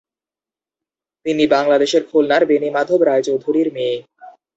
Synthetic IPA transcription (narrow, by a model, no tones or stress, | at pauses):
t̪inibaŋlad̪eʃeɾkʰulnaɾbenimad̪ʱobɾaet͡ɕowd̪ʱuɾiɾmeː